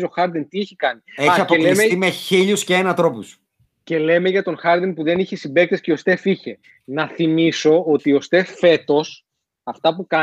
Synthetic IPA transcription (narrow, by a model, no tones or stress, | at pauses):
zoxɐɾd̪int̪ieçikɐnieɐçiɐpolilesmeimeçiʎusceːnɐt̪ɾo̞pus | ce̞le̞me̞ʝɐt̪o̞ŋxɐɾd̪inpuðe̞niçesimbe̞k̚t̪esceo̞st̪e̞fiçe | nɐθimiso̞ot̪io̞st̪e̞ffe̞t̪o̞s | ɐft̪ɐpukɐ